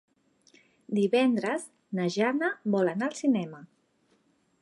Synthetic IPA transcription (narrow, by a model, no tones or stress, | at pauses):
d̪iβɛnd̪ɾəz | nəʒanəβɔlanaəlˠsinɛmə